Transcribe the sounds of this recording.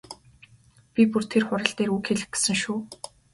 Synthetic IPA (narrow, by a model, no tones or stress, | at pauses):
pʲipur̥t̪ʰerχʊɾə̆ɬt̪eːruːkxeɮɘ̆xɡe̥sɘ̆ŋʃuː